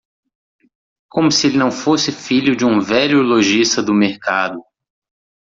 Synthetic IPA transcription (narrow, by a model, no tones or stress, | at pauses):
kõmʊsɪelɪnɐ̃w̃fosɪfiʎʊd͡ʒɪũvɛʎʊloʒist̪ɐd̪ʊmeɾkad̪ʊ